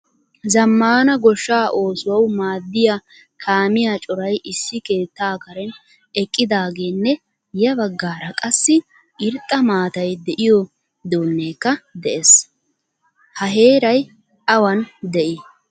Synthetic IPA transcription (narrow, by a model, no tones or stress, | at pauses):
zɐmːaːnɐɡɔʃːaːʔo̞ːsʊwɐwmaːd̪ːɪja | kʰaːmɪjat͡ʃʼɔɾɐjʔɪsːɪke̞ːt̪ːaːkɐɾɛn | ɛkʼːɪd̪aːɡe̞ːnːɛ | jɐbɐɡːaːɾɐkʼɐsːɪ | ʔɪɾt̪ʼːɐmaːt̪ɐjd̪ɛʔɪjɔ | d̪oːnːeːkːɐd̪ɛʔes | hɐɦe̞ːɾɐj | ɐwɐnd̪ɛʔɪ